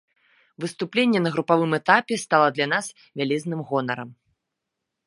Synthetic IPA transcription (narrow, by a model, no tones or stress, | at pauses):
vɨst̪uplʲenʲːɛnɐɣɾupavɨmɛt̪apʲɛst̪alˠɐd̪lʲɐnas | vʲalʲɛznɨmɣɔnɐɾɐm